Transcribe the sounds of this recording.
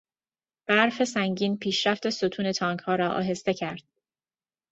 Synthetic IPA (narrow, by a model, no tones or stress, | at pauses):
b̥æɾfe̞sæŋɟiːnpʰiːʃɾæft̪e̞sot̪ʰuːne̞t̪ʰɒːŋkhɒːɾɒːʔɒ̰ːɦe̞st̪e̞cʰæɾd̪̥